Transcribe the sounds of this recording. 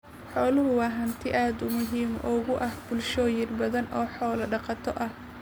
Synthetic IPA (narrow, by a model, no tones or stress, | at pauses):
ħɔːlʊɦʊwɑːɦɐnt̪ʰɪʔaːd̪ʊmʊɦiːmʔʊɣʊʔɐhb̥ʊlʃɔːjɪnbɐðɐnʔɔːħɔːlɐɖɑqɑt̪ʰɔʔɐh